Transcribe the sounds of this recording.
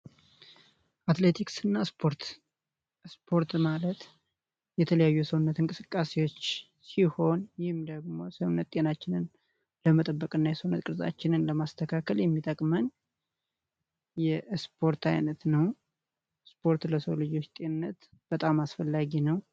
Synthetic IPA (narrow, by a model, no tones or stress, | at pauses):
ʔat̪le̞t̪ʰiksɨnːaspʰo̞ɾt̪ | spʰo̞ɾt̪malət̪ | jɛt̪ʰələjajːujɛsəwnːət̪ɨnŋkʼɨsɨkʼːase̞wo̞t͡ʃː | siho̞njɪhɨmd̪əɡmo̞səwnːət̪t̪ʼenat͡ʃːɪnɨn | ləmət̪ʼəbːəkʼɨnːajɛsəwunːət̪kʼɨɾza̰t͡ʃːɪnɨnləmast̪ʰəkʰakʰəljɛmːit̪ʼəkʼmən | jɛspʰo̞ɾt̪ʰajnət̪nəw | spʰo̞ɾt̪ləsəwlɨd͡ʒwot͡ʃt̪ʼe̞nɨnːət̪ | b̥ət̪ʼamasfəlːaɡinəw